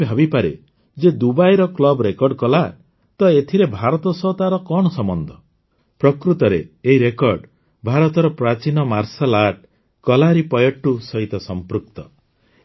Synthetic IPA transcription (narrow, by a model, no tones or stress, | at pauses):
bʱabipaɾḛ | d͡ʒed̪ubajɾɔklɔbɾekɔɾɖkɔla | t̪ɔet̪ʰiɾebʱaɾɔt̪ɔsɔt̪aɾɔkɔɽ̃ɔsɔmɔnd̪ʱɔ | pɾɔkɾut̪ɔɾḛːiɾekɔɾɖ | bʱaɾɔt̪ɔɾɔpɾat͡ʃinɔmaɾsɔlaʈ̚ | kɔlaɾipɔjɔʈːusɔɦit̪ɔsɔmpɾukt̪ɔ